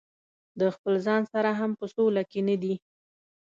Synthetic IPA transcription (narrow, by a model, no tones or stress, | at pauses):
d̪əxpəlzɑnsaɾaɦampəsolakenad̪i